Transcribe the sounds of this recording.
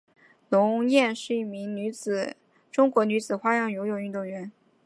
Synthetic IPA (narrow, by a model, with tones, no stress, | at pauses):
nʊ˧˥ŋjɛ˥˧nʂɻ̩˥˧i˥˩mi˧˥ŋny˧˥t͡sɹ̩˨˩˦ | ʈ͡ʂʊ˥ŋkwɔ˧˥ny˧˥t͡sɹ̩˨˩xwa˥jɑ˥˩ŋjo˧˥jo˨˩ʊy˥˧t̪ʊ˥˩ŋɥɛ˧˥n